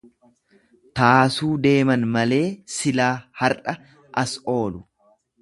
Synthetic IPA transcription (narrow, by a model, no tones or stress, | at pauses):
t̪aːsuːd̪e̞ːmɐnmɐle̞ːsɪlaːhɐɾʔɐ | ʔɐso̞ːlʊ